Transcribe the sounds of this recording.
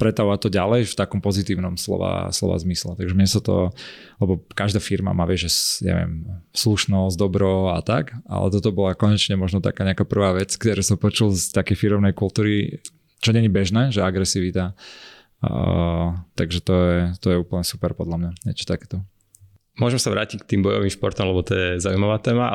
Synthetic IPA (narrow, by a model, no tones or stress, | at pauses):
pɾɛt̪aʋʋat̪ɔɟalɛjft̪akɔmpɔzit̪iːʊnɔmslɔ̰ʋa̰slɔ̰ʋa̰zmislɛt̪aɡʒɛmɲɛsat̪ɔ̰ | lɛbɔkaʒd̪aːfiɾma̰maːʋɪɛʒɛɲa̰ʋɪɛ̰msluʃnɔzd̪ɔbɾɔat̪a̰ka̰lɛ̰t̪ɔt̪ɔbɔlakɔɲɛt͡ʃɲɛmɔʒnɔt̪a̰kaːɲɛakaːpr̩ʋaːʋɛt͡skt̪ɔɾɛsɔmpɔt͡ʃulˠst̪akɛjfiɾɔʊnɛjkulˠt̪uːɾi | t͡ʃɔɲɛɲibɛʒnɛːʒɛaɡɾɛsiʋit̪a | t̪aɡʒɛt̪ɔjɛt̪ɔjɛuːpl̩ɲɛsu̥pɛɾpɔd̪lamɲaɲɛ̰t͡ʃɔ̥t̪akɛːt̪ɔ | mʊɔʒɛmsaʋɾaːcick̚t̪iːmbɔjɔʋiːmʃpɔɾt̪ɔmlɛbɔt̪ɔjɛzaujmaʋaːt̪ɛːma